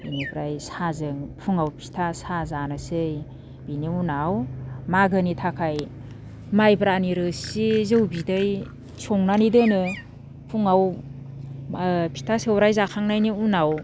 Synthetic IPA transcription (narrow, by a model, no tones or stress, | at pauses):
inibɾajsazɯŋpʰuŋawpʰi̥tʰasazanɯsɯj | b̥iniunawmaɡɯnitʰakʰaj | majbɾaniɾɯsizɯwbidɯj | sʰoŋnanidɯnɯ | pʰuŋaw | pʰi̥tʰasewɾajzakʰaŋnajniunaw